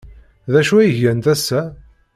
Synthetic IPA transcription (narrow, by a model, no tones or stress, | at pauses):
ðæʃuæjəʝænt̪æsːæ